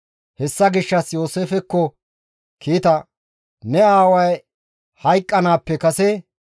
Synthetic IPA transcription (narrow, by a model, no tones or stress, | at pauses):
hɛsːɐɡɪʃːɐsjo̞ːseːfɛkːɔ | kiːt̪ɐ | nɛaːwɐj | hɐjkʼːɐnaːpːɛkɐsɛ